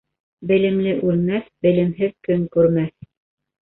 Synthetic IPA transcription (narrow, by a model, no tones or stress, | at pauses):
bɘ̆lɘ̆mlɘʔʉlmæθbɘ̆lɘ̆mɦɘðkɵŋkʉɾmæθ